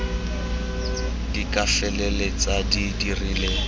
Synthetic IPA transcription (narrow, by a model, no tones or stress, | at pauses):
dikʼafɛlɛlet͡sadidirileː